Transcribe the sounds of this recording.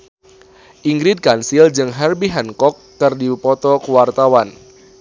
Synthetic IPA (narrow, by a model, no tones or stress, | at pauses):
ʔiŋɡɾid̚kansild͡ʒɨŋɦɛrbiɦɛnkɔkːɨrdipɔt̪ɔkuwart̪awan